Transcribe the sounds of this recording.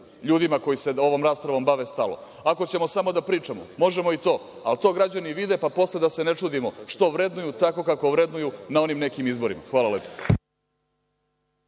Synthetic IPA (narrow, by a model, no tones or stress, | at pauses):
ʎuːd̪imako̞jise̞o̞ʋo̞mɾaːspɾaʋo̞mbaʋest̪alo̰ | ako̞t͡ɕe̞mo̞samo̞d̪apɾiːt͡ʂamomo̞ʒe̞moit̪o̞ː | alt̪o̞ːɡɾad͡ʑaniʋid̪e̞papo̞sled̪ase̞net͡ʂuːd̪imo̞ʂt̪o̞ʋɾe̞d̪nujut̪ako̞kako̞ʋɾe̞d̪nujunao̞nimne̞kimizbo̞ɾima̰xʋaːlˠalepo